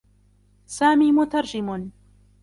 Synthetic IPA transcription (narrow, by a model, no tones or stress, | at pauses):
saːmiːmʊt̪ɑɾˤd͡ʒɪmn